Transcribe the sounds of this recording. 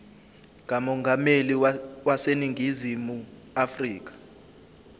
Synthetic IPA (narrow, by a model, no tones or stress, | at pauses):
ŋʱamɔŋɡameliwaseniŋʱizimu | afriːk̬ḁ